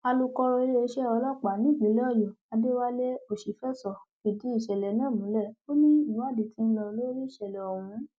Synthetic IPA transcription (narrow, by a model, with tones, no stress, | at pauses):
a˧lu˧kɔ˧ɾɔ˧e˦˧ɾe˦e˧ʃɛ˦ɔ˧lɔ˦k͡pa˨nĩ˦˨ɡ͡bĩ˨˦lɔ˦˨jo˨a˧de˦wa˦le˦o˦˨ʃi˨fɛ˦sɔ˨fi˨di˨˦i˦˨ʃɛ˨lɛ˨˦nãː˦˨mũ˨˦lɛ˦˨o˦nĩ˦ĩ˨wa˦˨di˨ti˨˦n̩˦lɔ˧lo˦ɾi˦i˦˨ʃɛ˨lɛ˨o˨wũ˨˦